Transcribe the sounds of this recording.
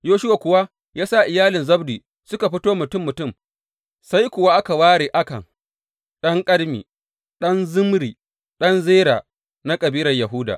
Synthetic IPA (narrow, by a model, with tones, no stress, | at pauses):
joː˦ʃʊ˦wa˨kʷʊ˨wa˦ | jaː˦sa˦˨ʔɪ˨jaː˦lɪ˨nzɐ˦bdiː˨ | sʊ˦ka˨ɸɪ˦toː˦mʊ˨tʊ˦mːʊ˨tʊ˦˨m | sa˦jkʷʊ˨wa˦ʔa˦ka˨waː˦ɽeː˨ʔa˦kɐ̰˨ŋ | ɗɐ˦ŋkʼɐ˦ɽmḭ˨ | ɗɐ˦nzʊ˦mɽiː˨ | ɗɐ˦nzeː˦ɾaː˨ | na˦kʼɐ˨biː˦ɾɐ˨rjɐ˨ɦʊ˦da̰˨ʔ